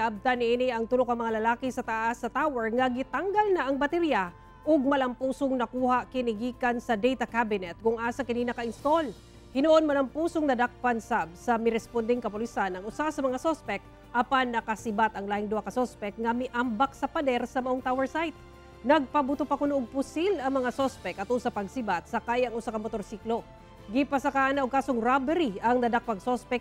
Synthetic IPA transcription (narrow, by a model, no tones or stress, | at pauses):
kɐʔɐb̚t̪anɪʔinɪʔɐŋt̪ʊlokɐŋmɐŋalɐlaːkɪsɐt̪ɐʔasːɐt̪awɛɹŋɐɡɪt̪aŋɡalnaʔɐŋbɐt̪ɛɾija | ʔoɡ̚mɐlɐmpuːsoŋnɐkuːhaʔkɪnɪɡiːkɐnsɐd̪ɛjt̪ɐkabɪnɛt̪̚kʊŋʔaːsɐkɐninɐkɐɪnst̪ol | hɪnʊʔonmɐlɐmpuːsoŋnɐd̪ak̚pɐnsab̚sɐmɪɾɛspond̪ɪŋkɐpʊlɪsanɐŋʔʊsasɐmɐŋasospɛk̪̚ | ʔɐpanːɐkɐsɪbat̪ɐŋlaːhɪŋd̪ʊʔakɐsospɛk̚ŋɐmɪʔambak̚sɐpɐd̪ɛɾsɐmɐʔoŋt̪awɛɹsajt̪̚ | nɐɡ̚pɐbʊt̪opɐkonʊʔoŋpʊsilɐŋmɐŋasospɛkʔɐt̪ʊsapɐɡsɪbat̪̚sɐkajɐŋʊsakɐŋmot̪o̞ɾsiːklo̞ | ɡɪpɐsɐkaːʔɐnɐʔoɡ̚kaːsoŋɾabɛɾiɐŋnɐd̪ak̚pɐɡsospɛk̚